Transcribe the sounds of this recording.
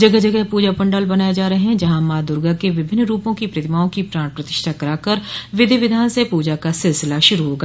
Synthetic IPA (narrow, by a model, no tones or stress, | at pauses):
d͡ʒəɡəɦd͡ʒəɡɛɦpuːd͡ʒaːpəɳɖaːlbənaːed͡ʒaːɾəɦeɦɛ̃d͡ʒɐɦãːmaːd̪ʊɾɡakeʋɪbʱɪnːɾuːpõkipɾət̪ɪmaːõkipɾãːɳpɾət̪ɪ̥ʃt̪ʰakəɾaːkəɾʋɪd̪eːʋɪd̪ʱaːnsepuːd͡ʒakasɪlsɪlaʃʊɾuɦoːɡa